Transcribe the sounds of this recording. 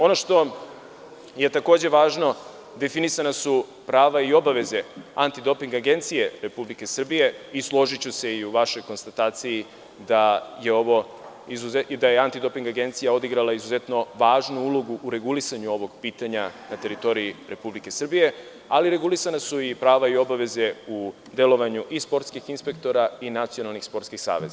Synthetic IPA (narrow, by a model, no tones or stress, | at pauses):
o̞no̞ʂt̪o̞ | je̞t̪ako̞ːd͡ʑe̞ʋaːʒno̞ | d̪e̞finisanasu | pɾaːʋaio̞baʋe̞ze̞ant̪id̪o̞piŋɡaɡe̞nt̪sije̞ɾe̞publike̞sr̩bije̞islˠo̞ʒit͡ɕuse̞iuʋaʃo̞jko̞nst̪at̪aːt̪siji | d̪aje̞o̞ʋo̞ | izuzed̪ajeant̪id̪o̞piŋɡaɡe̞nt̪sijao̞d̪iɡɾalaizuze̞t̪no̞ʋaːʒnuulˠo̞ɡuʔɾe̞ɡulisaɲuo̞ʋo̞ɡpiːt̪aɲanat̪e̞ɾit̪o̞ɾijiɾʔe̞publike̞sr̩bije̞ | aliɾe̞ɡulisanasuipɾaːʋaio̞baʋe̞ze̞u | d̪e̞lo̞ʋaɲuʔispo̞ɾt̪skixinspe̞kt̪o̞ɾainat̪sio̞nalˠnixspo̞ɾt̪skixsa̰ːʋe̞̰zaa